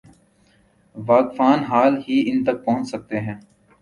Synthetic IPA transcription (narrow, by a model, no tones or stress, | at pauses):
ʋaːkfaːnɦaːlɦiːɪnt̪ək̚pɔɦʊ̃nt͡ʃsək̚t̪eɦɛ̃ː